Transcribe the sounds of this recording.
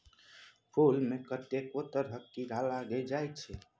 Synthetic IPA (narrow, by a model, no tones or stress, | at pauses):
pʰulmekət̪ekot̪əɾɦəkːiɡʱalaɡɛd͡ʒajt̪̚t͡ʃʰɛ